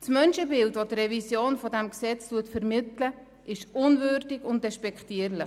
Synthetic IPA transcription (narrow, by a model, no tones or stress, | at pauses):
smœnʃəbɪldʋotrɛvisjoːnfɔdɛmksɛt͡stuətfəɾmɪtlə | ʔɪʃʊnvøːɾdɪɡʊntdɛʃpɛkχtiəɾlɪχ